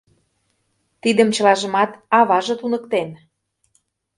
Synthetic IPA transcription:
t̪id̪ə̆mt͡ɕə̆lɑʒə̆mɑt̪ɑβɑʒɤ̆t̪unɤ̆kt̪en

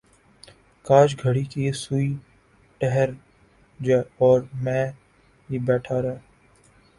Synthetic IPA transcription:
kaːʃɡʱəɽikisui | ʈɛɦəɾ | d͡ʒɛːɔːɾmɛ̃ː | ɦibɛːʈʰaɾɛː

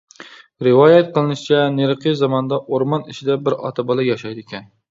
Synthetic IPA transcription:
ɾɨwɑjɛt̪̚qʰəlˠɨnɨʃit͡ʃʰɛneɾqɨzɑmɑnd̪ɑʔoɾmɑniʃid̪ɛbɪɾɑ̰t̪ʰɑbɑlˠɑjɑʃɑjd̪ɪkʲʰɛn

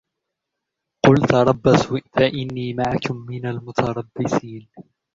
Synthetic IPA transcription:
qʊlt̪ɑɾˤɑbːaswɪʔt̪aʔɪnːiːmaʕakʊmːɪnalmʊt̪ʰɑɾˤɑbːɪsiːn

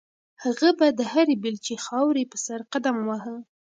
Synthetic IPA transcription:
haɣabad̪əhaɾebɪlt͡ʃexɑwɾepəsaɾqad̪amwaɦə

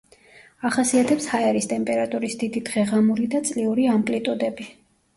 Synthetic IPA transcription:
aχasiat̪ʰɛpshaɛɾist̪ʼɛmpʼɛɾat̪ʼuɾisd̪id̪id̪ʁɛʁamuɾid̪at̪sʼliuɾiamkʼlit̪ʼud̪ɛbi

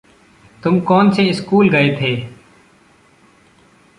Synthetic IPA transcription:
t̪ʊmkɔːnseɪskuːlɡɐet̪ʰeː

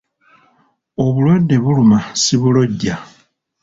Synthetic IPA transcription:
o̞βulwadeβulumasiβulo̞ɟːa

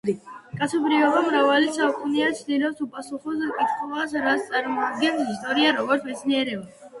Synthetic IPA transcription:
kʼat̪sʰɔbɾiɔbamɾavalit̪sʰaukʼuniat͡ʃʰd̪ilɔsupʼasuχɔsakʼit̪ʰχɔas̬ɾast̪sʼaɾmɔad̪ɡɛnsist̪ʼɔɾiaɾɔɡɔɾt̪ʰmɛt̪sʰniɛɾɛba

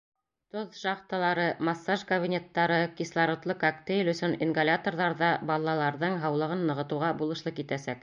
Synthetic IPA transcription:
t̪oðʃɑχt̪ɑlˠɑɾɤmɑsːaʒkobʲinʲet̪ːɑɾɤkislˠɑɾŏt̪lˠɤkakt̪ejlʲɵ̆sɵninɡolʲat̪orðɑɾðɑbɑlˠːɑlˠɑɾðɤɴɦɑwlˠɤ̆ʁɤnːɤ̆ʁɤ̆t̪ɤ̆wʁɑbulˠɤ̆ʃlˠɤkit̪æsæk

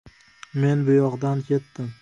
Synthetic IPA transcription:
me̞nbʊjɒʁd̪ankʲʰe̞t̪ːɪm

